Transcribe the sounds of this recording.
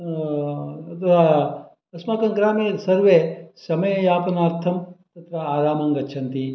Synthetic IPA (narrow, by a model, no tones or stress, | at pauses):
t̪ɐa | ɐsmaːk̪ɐŋɡɾaːmesɐɾʋesɐmɐjɐjaːpɐnaːɾt̪ʰɐmt̪ɐt̪ɾɐaːɾaːmɐŋɡɐʃʰɐnt̪i